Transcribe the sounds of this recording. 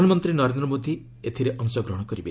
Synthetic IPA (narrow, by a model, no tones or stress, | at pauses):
anɔmɔnt̪ɾinɔɾend̪ɾɔmod̪ʱi | et̪ʰiɾeʔɔŋsɔɡɾɔɦɔɽ̃ɔkɔɾibe